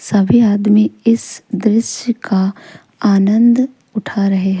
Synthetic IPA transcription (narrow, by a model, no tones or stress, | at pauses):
sɐbʱiaːd̪miɪsd̪ɾɪʃəka | aːnə̃nd̪ | ʊʈʰaɾɐɦeɦɛ